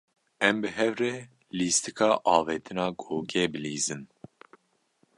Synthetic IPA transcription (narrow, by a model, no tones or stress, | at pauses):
ɛmbɨɦɛvrɛː | liːst̪ɨkʰɑːʔɑːveːt̪ʰɨnɑːɡoːkʰeːbɨliːzɨn